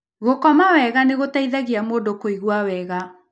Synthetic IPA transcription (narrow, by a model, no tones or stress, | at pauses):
ɣokɔmawɛɣaneɣotaiðaɣiamoːndokoiɣwawɛɣa